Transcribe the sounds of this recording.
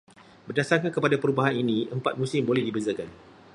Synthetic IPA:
bərdasarkankəpadapəɾubaɦaninĩʔəmpat̪̚mũsɪmbolɛhdibəzakan

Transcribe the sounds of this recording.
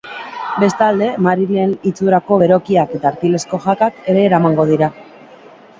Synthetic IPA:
be̞st̪ald̪e̞maɾiɾie̞nit͡suɾako̞βe̞ɾo̞kiake̞t̪aːɾt̪ile̞sko̞ʝakake̞ɾe̞ːɾamaŋɡo̞ð̞iɾa

